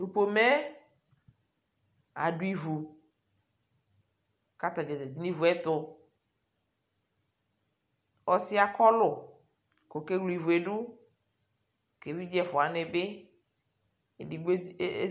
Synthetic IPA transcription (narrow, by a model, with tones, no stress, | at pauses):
nu˨po˨mɛ˦ | a̰˨ɖʊ˦i˦˨vu˨ | ka˦t̪a˨ɡɛ˨dɛ˨d͡ʑi˦ni˦vu˨˦ɛ˦t̪ʊ˨ | ɔ˨si˦a˨kɔ˦lʊ˨ | ko˨ke˦ɡlu˦i˨vu˨e˨ɖʊ˦˨ | ke˨wi˦d͡ʒɛ˦fʊ˨a˨nɪ˨bɪ˦˨ | di˨ɡ͡b